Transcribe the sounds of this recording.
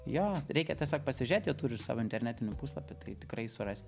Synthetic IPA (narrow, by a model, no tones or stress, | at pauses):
joːɾʲɛɪkʲɛt̪ʲɛsʲoːkpɐsʲɪʒʲeːt̪jɛːt̪uːɾʲɪsɑ̰ːʋoɪnt̪ʲɛrʲnʲæːt̪ʲɪnʲɪpuːslˠɐpʲɪt̪ɐɪt̪ʲɪkɾɐɪsʊrɐsʲt̪ʲ